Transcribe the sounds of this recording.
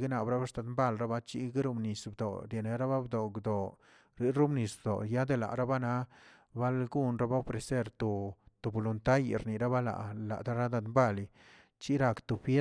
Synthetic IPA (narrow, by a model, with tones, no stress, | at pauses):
ɡi˦na˨bɾa˦ba˦sd̪a˨˧d̪mba˦˨lɾa˦ba˦t͡ʃi˦ɡi˦ɾu˧mni˨sbd̪o̰˨ɾje˨ne˨˧ɾa˦ba˦bd̪o˨ɡd̪o˨ | ɾi˨˦ɾu˦mni˨sbd̪o̰˨ja˦d̪e˨la̰˨ʔɾa˦ba˦na˦ | ba˦lɡu˦nɾa˦ba˦o˦fɾe˨se˦ɾt̪o˨t̪o˨bo˨lu˨nt̪a˦jɾni˨ɾa˦ba˦la̰˨ʔla̰˨d̪a˦ɾa˦d̪a˧d̪mba˦˨li˨ | t͡ʃi˦ɾa˧kt̪u˨fje˦